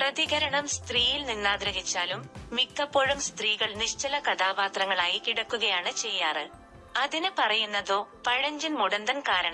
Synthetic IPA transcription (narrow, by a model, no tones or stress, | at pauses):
prɐðiɣɐɾɐɳɐmst̪riːjilninːaːd̪ɾɐɦit͡ɕːaːlumːikːɐpːoːɻumst̪riːɣɐɭniɕt͡ɕɐlɐkɐt̪ʰaːbaːt̪rɐŋːɐɭaːjikiɽɐkːuɣɐjaːɳɨt͡ɕe̞jːaːrɨ | ɐðinɨpɐrɐjunːɐðo̞ːpɐɻɐɲd͡ʑunmuɽɐnd̪ɐnkaːɾɐɳɐm